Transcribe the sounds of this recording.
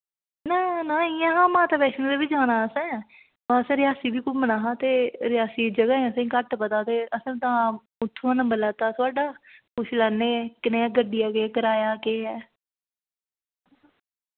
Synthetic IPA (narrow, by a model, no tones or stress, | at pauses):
naːnaːɪãːɦãːmãːt̪aːpɛːʃñːd̪eːʋɪd͡ʒaːnaːəsɛ̃ː | paəsẽːɾɪjaːsiːbiːkumənaːɦãːt̪eːɾɪjaːsiːd͡ʒəɡaːẽəsẽkəʈpət̪aːt̪eːəsẽːt̪ãː | ʊt̪ʰːõːãnə̃mbəlaːt̪aːt̪ʊaːɖaːpʊʃʰlɛːneːkɪnẽːɛːɡəɖijaːɡeːkəɾaːjaːkeːɛː